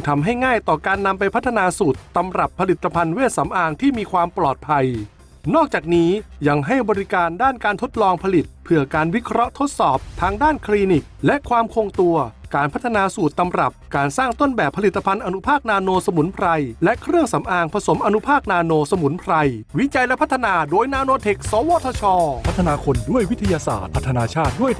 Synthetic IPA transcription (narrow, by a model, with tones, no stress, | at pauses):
t̪ʰa˧mɦa˥˩jŋaː˥˩jt̪ɔː˨˩kaː˧nːa˧mpa˧jpʰt̪ʰːa˧naː˧suː˨˩t̪ːa˧mɾa˨˩pʰːa˧li˨˩t̪ʰːa˧pʰa˧nweː˥˩t̪̚sa˩˦mʔaː˧ŋt̪ʰiː˥˩miː˧kʰwaː˧mplɔː˨˩t̪̚pʰa˧j | nɔː˥˩k̚t͡ɕaː˨˩k̚niː˦˥ja˧ŋɦa˥˩jbɔː˧ɾi˦˥kaː˧ndaː˥˩nkaː˧nt̪ʰo˦˥t̪̚lɔː˧ŋpʰa˧li˨˩t̪̚pʰɯ˧˩əkaː˧nwi˦˥kʰɾɔ˦˥ʔt̪ʰo˦˥t̪̚sɔː˨˩p̚t̪ʰaː˧ŋdaː˥˩nkʰliː˧ni˨˩k̚lɛ˦˥ʔkʰwaː˧mkʰoː˧ŋt̪u˧ɐkaː˧npʰa˦˥t̪ʰːa˧naː˧suː˨˩t̪ːa˧mɾa˨˩p̚kaː˧nsaː˥˩ŋt̪o˥˩nbɛː˨˩pʰːa˧li˨˩t̪ːa˧pʰa˧nʔa˧nu˦˥pʰaː˥˩k̚naː˧noː˧sa˧mu˩˦npʰɾa˧jlɛ˦˥ʔkʰɾɯ˥˩əŋsa˩˦mʔaː˧ŋpʰa˧so˩˦mʔa˧nu˦˥pʰaː˥˩k̚naː˧noː˧sa˧mu˩˦npʰɾa˧jwi˦˥t͡ɕa˧jlɛ˦˥pʰa˦˥t̪ʰːa˧naː˧doː˧jnaː˧noː˧t̪ʰe˨˩k̚sɔː˨˦wɔː˧˥˩t̪ʰɔː˧t͡ɕʰɔː˧pʰa˦˥t̪ʰːa˧naː˧kʰo˧ndu˥˩əjwi˦˥t̪ʰa˧jaː˧sa̰ː˨˩t̪̚ʰa˦˥t̪ʰːa˧naː˧t͡ɕʰaː˥˩t̪̚du˥˩əj